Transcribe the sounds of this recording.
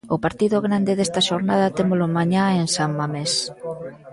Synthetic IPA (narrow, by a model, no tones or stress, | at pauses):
ʊpaɾt̪iðʊɣɾand̪eðest̪ɐʃoɾnað̞ɐt̪emolʊmaɲaensammames